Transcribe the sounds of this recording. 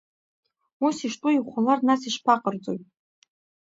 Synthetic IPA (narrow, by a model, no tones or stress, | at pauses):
usiʂtʼuiχʷalarnasiʃpʰaqʼərd͡zo̞̰jtʼ